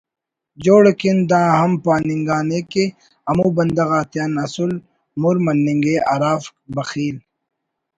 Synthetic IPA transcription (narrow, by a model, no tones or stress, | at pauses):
d͡ʑoːɽekind̪ãːɦɐmpaːniŋɡaːneke | ɐmuːbɐnd̪ɐɣaːt̪ijaːnɐsul | muɾmɐnːĩŋɡeaɾaːfbɐxiːl